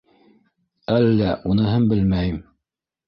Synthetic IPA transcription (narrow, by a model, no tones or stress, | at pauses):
ælːæʔunɤɦɤmbɘlmæjɘm